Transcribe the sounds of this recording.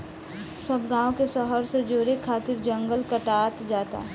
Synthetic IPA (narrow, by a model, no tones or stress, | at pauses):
sɐbɡãːõkesəɦəɾsed͡ʒoːɾekʰaːt̪ɪɾd͡ʒə̃ŋɡəlkəʈaːt̪d͡ʒaːt̪a̰